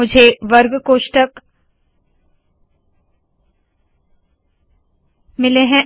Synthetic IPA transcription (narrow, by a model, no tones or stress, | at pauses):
ʊd͡ʒʱeʋɐɾɡkoːʃʈək | mɪleɦɛ̃